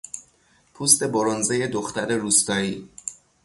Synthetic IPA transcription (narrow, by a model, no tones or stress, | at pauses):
pʰust̪e̞boɾonzeje̞d̪oxt̪æɾe̞ɾuːst̪ɒːiː